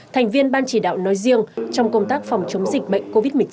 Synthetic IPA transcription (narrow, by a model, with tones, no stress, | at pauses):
t̪ʰɛ˨˩jŋ̟vi˧ənɓaː˧nt͡ɕi˧˩ɗa̰ː˧˨wnɔ˨˦jzi˧əŋt͡ɕɔ˧wŋ͡mkə˧wŋ͡mt̪aː˦˥k̚fa˨˩wŋ͡mt͡ɕə˨˦wŋ͡mzï˨˩k̟̚ɓə̰˧˨jŋko˧vi˦˥t̚mɨ˨˩ə˦